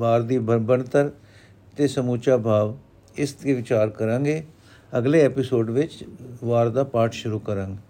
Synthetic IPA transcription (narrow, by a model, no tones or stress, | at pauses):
ʋaːɾd̪iːbənt̪əɾ | t̪eːsəmuːt͡ʃaːbʱaːʋ | ɪsɡeːʋɪt͡ʃaːɾkəɾãːŋɡeː | əɡleːɛːpɪsoːɖʋɪt͡ʃʋaːɾd̪aːpaːʈʰʃʊɾuːkəɾãːŋɡeː